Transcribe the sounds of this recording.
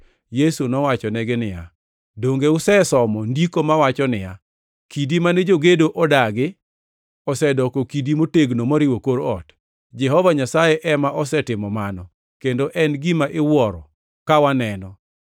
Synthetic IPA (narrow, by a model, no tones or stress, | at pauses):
jesunɔwat͡ʃɔnɛɡɪnɪja̰ | doŋɡeʊsɛsɔmɔndikomawat͡ʃɔnɪja̰ | kidimanɛd͡ʒoɡedoʔɔdaɡɪ | ɔsɛdɔkokidimoteɡnomoɾɪwokoɾɔ̰t | d͡ʒɛɦɔvaɲasajeʔɛmaʔɔsɛtɪmɔmanɔ | kendoʔɛnɡimaʔɪwɔɾɔ | kawanɛnɔ